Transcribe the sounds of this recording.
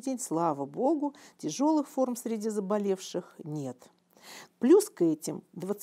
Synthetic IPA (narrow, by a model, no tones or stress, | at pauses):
dʲenʲslˠavəbo̞ɡʊtʲɪʐo̞lˠɨxfo̞rmsʲɾʲɪdʲizəbɐlʲe̞fʂɨxnʲet̪ | plʲuskɛtʲɪmd̪vət̪s